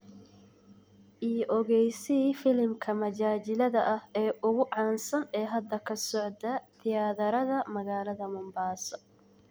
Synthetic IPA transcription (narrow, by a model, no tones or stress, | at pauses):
ʔiːʔɔɣɛjsɪfɪlmkʰɐmɐt͡ʃaːt͡ʃɪlɐðɐʔɐhɛːʔʊɣʊʕɑːnsɐnɛːɦɐd̪ːɐkʰɐsɔʕd̪ɐt̪ʰɪjaːðɐɾɐðɐmɐɣaːlɐðɐmʊmbaːsɔ